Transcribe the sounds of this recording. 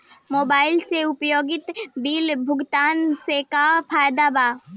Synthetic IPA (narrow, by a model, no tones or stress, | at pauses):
moːbaːɪlseʊpjoːɡɪt̪biːlbʱʊɡt̪aːnsekapʰaːjd̪aːbaː